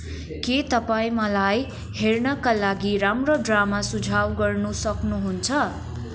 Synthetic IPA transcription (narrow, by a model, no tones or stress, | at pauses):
ket̪ʌpaĩmʌlaj | ɦernʌkalaɡiɾamroɖramasud͡zʱawɡʌrnusʌknuɦunt͡sʰʌ